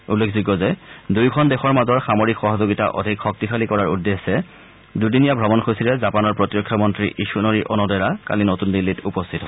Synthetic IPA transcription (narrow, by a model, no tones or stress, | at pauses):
ulːekʰziɡɔzɛdujkʰɔndexɔɹmazɔɹxamoɹikxɔɦɔzoɡita̰ʔɔ̰dʱikxɔk̚tixalikɔɹaɹudːesːɛ | dudinijabʱɹɔmɔnxosiɹɛzapanɔɹpɹɔtiɹɔkʰːjɔmɔntɹiʔisunoɹiʔɔnɔdɔɹaka̰linotundilːitupɔstʰitɦɔɔ